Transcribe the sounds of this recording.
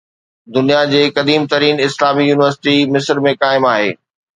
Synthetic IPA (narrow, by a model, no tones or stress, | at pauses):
d̪ʊnijad͡ʑeːkɐd̪iːmt̪ɐɾiːnɪslaːmijuːnɪʋəɾsɪ̥ʈimɪsəɾmẽkaːɪmaːɦeː